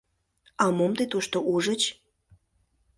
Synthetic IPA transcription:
ɑmomt̪et̪uʃt̪oʔuʒə̆t͡ɕ

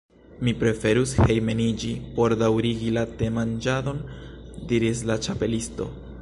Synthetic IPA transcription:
mipɾe̞fe̞ɾushe̞jme̞nid͡ʒipo̞ɾdawɾiɡilate̞mand͡ʒado̞ndiɾis̬lat͡ʃape̞listo̞̰

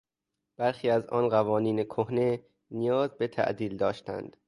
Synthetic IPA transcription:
b̥æɾxiːæzɒ̰ːnɢævɒːniːnekʰohne | nijɒːzbet̪ʰæ̰ʔd̪iːld̪ɒːʃt̪æ̰nd̪̥

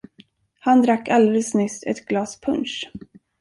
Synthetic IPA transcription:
hand̪ɾakːald̪ɛləsnʏst̪ɛ̰t̪ɡlɑːspʰɵnʂ

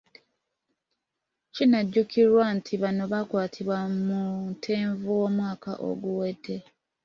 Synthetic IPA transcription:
cinaɟːukʰiɾwantʰiβano̞βakwaːtʰiβwamuntʰeːɱvuwomwaːka̰ʔo̞̰ɡuwedːe̞

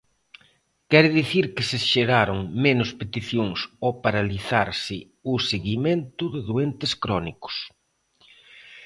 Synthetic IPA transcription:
kɛɾɪðiθiɾkɪsɪʃeɾaɾoŋmenʊspet̪iθjoŋsopaɾaliθaɾsɪ | ʊseɣimẽnt̪ʊðɪðwent̪ɪskɾɔnikʊ̥s

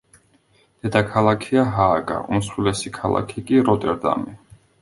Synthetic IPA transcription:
d̪̥ɛd̪akʰalˠakʰiaɦaːɡa̰ʔumsulɛsikʰalˠa̰kʰikʼiɾɔt̪ʼɛɾd̪a̰mɛ

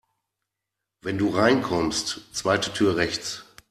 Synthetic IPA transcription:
vɛnduːʁaɪnkʰɔmstt͡sv̥aɪtətʰyːɐʁɛçt͡s

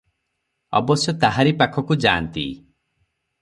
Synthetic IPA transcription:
ɔ̰bɔsjɔt̪aɦaɾipakʰɔkud͡ʒaːnt̪ḭ

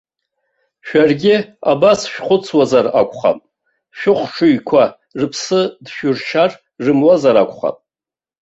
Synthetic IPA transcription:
ʃᶣarɡʲɪabasʃᶣχʷʊt͡sʰwazarakʷʰʼχa̰pʼ | ʃᶣʊχʷʂʰʊjkʷʰa | rɨpʰsɨdʃᶣʊrʃʰar | rɨmwazaɾakʷʰʼχa̰pʼ

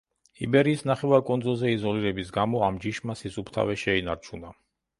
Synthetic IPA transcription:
ḭbɛɾiːsnaχɛvaɾkʼɔnd̪zulˠzɛizɔliɾɛbisɡamɔamd͡ʒiʃmasisupʰt̪ʰa̰vɛʃɛinaɾt͡ʃʰuna

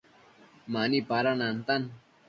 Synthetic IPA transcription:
manipaɾanant̪an

